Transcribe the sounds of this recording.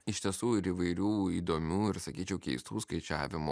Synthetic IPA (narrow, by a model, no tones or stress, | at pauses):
ɪʃʲt̪ʲiɛsuːɪɾiːʋɐɪɾʲuːiːd̪oːmʲuːɪɾsɐkʲiːt͡ʃʲɛʊkʲɛɪst̪uːskɐɪt͡ʃʲæ̰ːʋʲɪmo̰ː